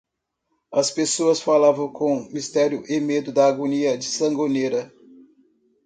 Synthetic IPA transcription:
ɐspesoɐsfalavɐ̃w̃kõmist̪ɛɾjʊʔemed̪ʊd̪ɐːɡoniɐd͡ʒɪsɐ̃ɡoneɾɐ

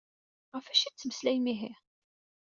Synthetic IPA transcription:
ʁəfæʃit͡sːməslæjmiɦi

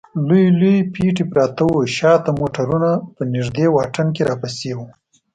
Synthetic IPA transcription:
lujlujpiʈ̬ipɾɑt̪awuʃɑt̪amoʈaɾunapənɪʐd̪ewɑʈənkeɾɑpasewu

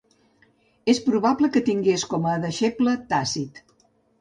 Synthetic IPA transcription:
espɾuβapləkət̪iŋɡeskɔməðəʃeplət̪asit̪

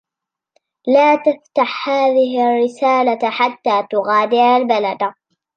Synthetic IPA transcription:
laːt̪aft̪aħhaːðɪɦrːɪsaːlaħat̪ːaːt̪ʊɣaːd̪ɪɾalbalad̪

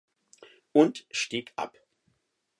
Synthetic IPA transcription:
ʔʊntʃtiːkʰʔa̰p

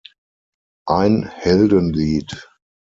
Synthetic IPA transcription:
ʔaɪnhɛldənliːt

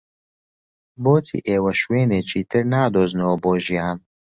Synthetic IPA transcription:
boːt̪ʰḭːʔeːwɐʃweːneːt͡ʃʰiːt̪ʰɨɾnaːd̪oːznoboːʒijaːn

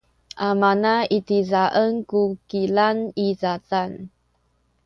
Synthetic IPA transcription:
ʔamanaitizaʔənkukilanizatan

